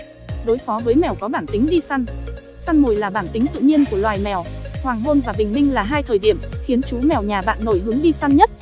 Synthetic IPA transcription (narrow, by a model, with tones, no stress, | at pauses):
ɗo˨˦jfɔ˨˦vəː˨˦jmɛ˨˩wkɔ˨˦ɓaː˧˩nt̪ï˨˦ŋ̟ɗi˧sa˧n | sa˧nmo˨˩jlaː˨˩ɓaː˧˩nt̪ï˨˦ŋt̪ɨ̰˧˨ɲi˧ənku˧˩əlwaː˨˩jmɛ˨˩whwaː˨˩ŋɦo˧nvaː˨˩ɓï˨˩ŋ̟mï˧ŋlaː˨˩ɦaː˧jt̪ʰəː˨˩jɗi˧˩əmxi˨˦ənt͡ɕu˨˦mɛ˨˩wɲaː˨˩ɓa̰ː˧˨nːo˧˩jɦɨ˨˦əŋɗi˧sa˧nɲə˦˥t̚